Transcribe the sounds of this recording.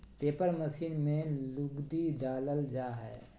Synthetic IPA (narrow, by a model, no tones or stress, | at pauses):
peːpəɾməsiːnmẽlʊɡd̪id̪aːləld͡ʒaːɦɛ̰ː